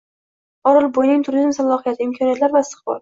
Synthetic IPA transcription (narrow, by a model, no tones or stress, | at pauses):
ɒɾɨlˠbojnɪŋt̪ʰʊɾizmsalːˠɒhijat̪ʰɪɪmkʰɒnijat̪laɾbast̪ɨ̥qbɒ̰ɾ